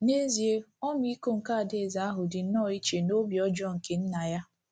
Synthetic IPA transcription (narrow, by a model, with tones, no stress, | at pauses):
ne˦zi˨e˦ɔ˦m˦i˦ko˦ŋ̩˨ka˦˨de˨za˨˦a˦ɦʊ˨dɪ˨n̩˦nɔː˦˨i˦t͡ʃe˨no˦bjɔ˦d͡ʒɔ˦ŋ̩˨ke˨n̩˦na˨ja˦